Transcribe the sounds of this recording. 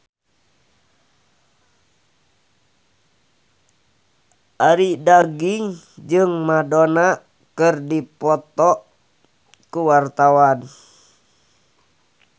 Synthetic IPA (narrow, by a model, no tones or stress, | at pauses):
ʔaɾidaɡiŋ | d͡ʒɨŋmadona | kɨrdipɔt̪ɔʔ | kuwart̪awan